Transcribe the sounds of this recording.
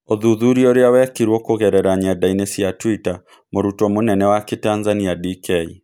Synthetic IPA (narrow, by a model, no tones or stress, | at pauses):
oðuðuɾioɾeawɛkiɾwɔkoɣɛɾɛɾaɲadainɛsijatwita | moɾutɔmonɛnɛwaketanzaniadikɛi